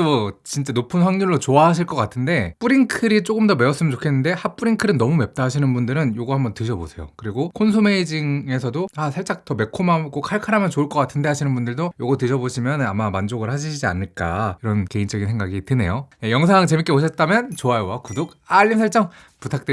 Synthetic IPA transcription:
tot͡ɕint͡ɕ͈anopʰɯnɸwaŋɲuɭːot͡ɕoaɦaɕ̬ʰiɭk͈ʌk͈atʰɯnde̞p͈uɾiŋkʰɯɾit͡ɕ͈oɡɯmdʌme̞ʌs͈ɯmɯnt͡ɕokʰe̞nːɯnde̞hap͈uɾiŋkʰɯɾɯnːʌmume̞p̚t͈aɦaɕʰinɯnbundɯɾɯnjoɡʌhambʌntɯɕʰʌbosʰe̞jo̰kɯɾiɡokʰonsʰome̞id͡ʑiŋe̞sʰʌdoasʰaɭt͡ɕ͈ak̚t͈ʌme̞kʰomaɡokʰaɭkʰaɾamjʌnt͡ɕoɯɭk͈ʌk͈atʰɯnde̞ɦaɕʰinɯnbundɯɭdojoɡʌtɯɕʰʌboɕʰimjʌnamamand͡ʑoɡɯɭhaɕʰiɕʰid͡ʑia̰nːɯɭk͈a̰iɾʌnke̞int͡ɕ͈ʌɡinsʰe̞ŋɡaɡitɯne̞̰jojejʌŋs̬ʰaŋt͡ɕe̞mik͈eboɕʰʌt̚t͈amjʌnt͡ɕoajowakudok̚ | aʎːinsʰaɭt͡ɕ͈ʌŋ | putʰak̚t͈ɯ

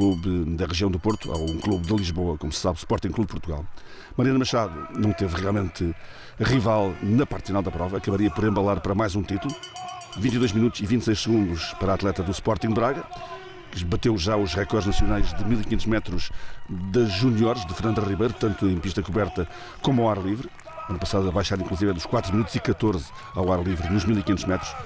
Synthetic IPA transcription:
klˠuβd̪ɐʁɨʒiɐ̃w̃d̪upoɾt̪ua̰ũklˠuβðɨlˠiʒβoɐkomussaβspɔɾt̪ĩŋkluβpuɾt̪uɣa̰lˠ | mɐɾiɐnɐmɐʃaðṵnɐ̃w̃t̪evʁialˠmẽnt̪ɨ | ʁivalˠnɐpaɾt̪finalˠd̪ɐpɾɔvɐɐkɐβɐɾiɐpɔɾẽmbɐlˠaɾpɐɾɐmajzũt̪it̪ulˠu | vĩnt̪iðojʒminut̪uz̥ivĩt̪sejʃsɨɣũnd̪uʃpɐɾat̪lˠɛt̪ɐðuspɔɾt̪ĩɡd̪βɾaɣɐ | kβɐt̪ewʒauʃʁɛkɔɾd̪ʒnɐsjunajʒðɨmilˠikiɲẽt̪uʒmɛt̪ɾuʒðɐʒunjɔɾʒðɨfɨɾnɐ̃nd̪uʁiβɐjɾut̪ɐ̃nt̪uẽj̃piʃt̪ɐkuβɛɾt̪ɐ | komuawaɾɐlˠivɾ | ɐnpɐsaðuɐβajʃaɾĩŋklˠuzivɐɛd̪uʃkwat̪ɾuminut̪uz̥ikɐt̪oɾz | awaɾɐlˠivɾɨnuʒmilˠikiɲẽnt̪uʒmɛt̪ɾu̥ʃ

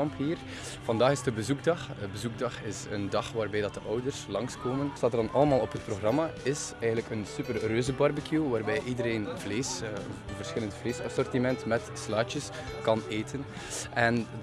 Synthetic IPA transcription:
ɑmpɦiːr | v̥ɑndaːɣɪsdəbəzuɡ̚dɑxbəzuɡ̚dɑxɪsəndɑxʋaːrbɛjdɑt̚dəʔœwdərslɑŋskoːmənstaːtərdɑnʔɑləmaːlˠɔpɦət̚proɣrɑmaɪsɛjɣəntləkənsypərrøːzəbɑrbəkjuʋaːrbɛjʔidəɾeːnvleːs | vərsxɪləntəfleːsɑsɔrtimɛntmɛtslaːt͡ʃəs | kɑneːtʰən | ɛn

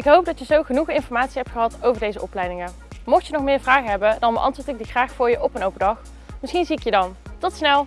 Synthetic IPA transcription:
ɪkɦowp̚dɑtjəzowχənuχəɪnfɔɹmaːtsiɦɛp̚tχəɦɑtowvəɹdejzəʔɔplɛjdɪŋə | mɔxtjənɔχmɪːɹvraːχəɦɛbəndɑnbə̰ʔɑ̰ntʋʊːɹtɪɡ̚diχraːxfʊːɹjəʔɔpənowpədɑχ | mɪsxinziɪkjədɑntɔtsnɛlˠ

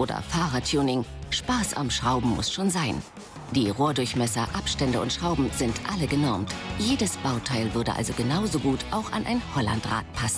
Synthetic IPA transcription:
ʔoːdɐ̰faːʁatʰuːnɪŋʃpaːsa̰mʃʁ̥aʊbm̩mʊ̰sʃoːnzaɪn | d̥iːʁoːɐdʊɐçmɛsɐʔapʃtɛndəʊntʃʁ̥aʊbm̩zɪntʔaləɡənɔɐmtjeːdəsb̥aʊtʰaɪlvʏɐdəʔa̰lzoɡənaʊzoɡuːtʰʔaʊxa̰nʔa̰ɪnhɔla̰ntʁa̰ːt̚pʰasn̩

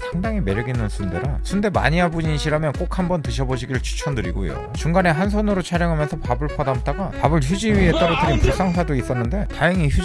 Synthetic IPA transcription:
sʰaŋdaŋime̞ɾɡinɯnsʰunde̞ɾasʰunde̞ma̰ɲiɦabuɲinɕʰiɾɦamjʌnk͈ok̚ʰhambʌntɯɕ̬ʰʌboɕʰiɡiɾɯɭt͡ɕʰu̥t͡ɕʰʌnɯɾiɡojo̰ | t͡ɕuŋɡane̞ɦansʰonɯɾot͡ɕʰaɾjʌŋɦamjʌnsʰʌpabɯɭpʰʌdamt͈aɡapabɯɭçjud͡ʑiɥiet͈aɾotɯɾinpuɭs͈aŋsʰadois͈ʌnːɯnde̞tajʌŋiçju

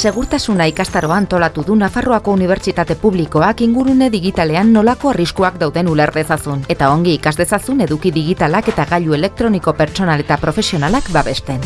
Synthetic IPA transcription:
se̞ɣ̞uɾt̪asunaikast̪aɾo̞aːnt̪o̞lat̪uðunafaroako̞uniβ̞e̞ɾt͡ʃit̪at̪e̞puβliko̞akiŋɡuɾune̞ðiɣit̪ale̞anːo̞lako̞ariskuakd̪awðe̞nule̞ɾðe̞sasune̞t̪ao̞ŋɡiikazðe̞sasune̞ðukiðiɣ̞it̪alake̞t̪aɣaʎue̞le̞k̚t̪ɾo̞niko̞peɾt͡ʃo̞nale̞t̪apɾo̞fe̞sio̞nalakbaβe̞st̪e̞

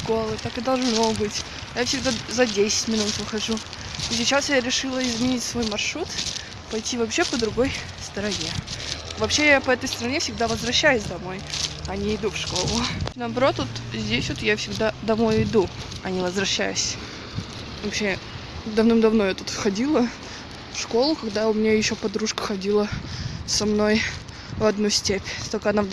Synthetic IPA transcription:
ʂko̞lˠɨt̪akɨd̪ɐlˠʐno̞bɨtʲ | jafsʲɪɡ̚d̪azɐdʲesʲɪ̥tʲmʲɪnut̪vɨxɐʐu | sʲɪt͡ɕasjaɾʲɪʂɨlˠəɪzmʲɪnʲitʲsvo̞jmɐrʂɾut̪ | pɐjtʲːivɐpɕe̞pəd̪ɾʊɡo̞j | st̪əɾɐnʲevɐpɕːe̞japəɛt̪əjst̪əɾɐnʲe̞fsʲɪɡ̚d̪avəzvɾɐɕːæjʊsʲd̪ɐmo̞jɐnʲɪɪd̪ufʂko̞lˠʊnəːbɐɾo̞t̪vot̪zʲdʲesʲvot̪jafsʲɪɡd̪ad̪ɐmo̞jɪd̪uɐnʲɪvəzvɾɐɕːæjʊsʲ | vɐpɕed̪ɐvnɨmd̪ɐvnojat̪ut̪xɐdʲilˠə | fʂko̞lˠʊkɐɡd̪aʊmʲɪnʲajɪɕːopɐd̪ɾuʂkə̥xɐdʲilˠəsɐmno̞j | vɐd̪nusʲtʲepʲst̪olʲkəɐna

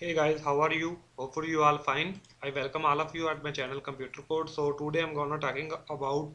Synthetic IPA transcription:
heːɡaɪzɦaʊaːɾjuːhoːpfɔɾjuːaːlfãɪ̃n | aɪʋɛlkə̃mɔːlɔʋjuːæʈ̚maɪt͡ʃɛːnəlkə̃mpjuːʈəɾkoːɾɖsoːʈuɖeːãɪ̃mɡɔ̃nəʈɔːkɪ̃ŋɡəbaʊʈ̚

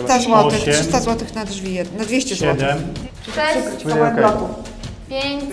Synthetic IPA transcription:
st̪azwɔt̪xʂɨst̪azwɔt̪ɘxnad̪ʐvʲijɛnːad̪vʲeɕt͡ɕɛzwɛɔd̪ɛm | lɔkuf | pʲe

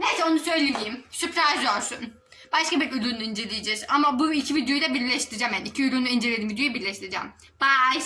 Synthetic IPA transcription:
nesɛo̞nusø̞jlʲelʲijimsypɾaʒoɾsun | baʃkabiɾylʲunind͡ʒe̞lʲijed͡ʒɛɾamabuicʰivid̪jo̞jd̪ɛbiɾʲlʲɛʃt̪ʰiɾid͡ʒamjanicʰiylʲunind͡ʒelʲeimvid̪jo̞jibiɾlʲeʃt̪ʰiɾid͡ʒa̰m | b̥a

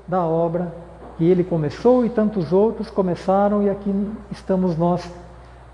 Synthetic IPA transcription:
d̪ɐɔbɾɐ | kɪelɪkõmesowɪt̪ɐ̃nt̪ʊzowt̪ɾʊskõmesaɾɐ̃w̃iakiɪst̪ɐ̃mʊznɔs

